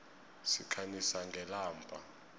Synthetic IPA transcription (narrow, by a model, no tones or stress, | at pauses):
sikʰanisaŋɡʱɛlaːmbʰʼʱa̰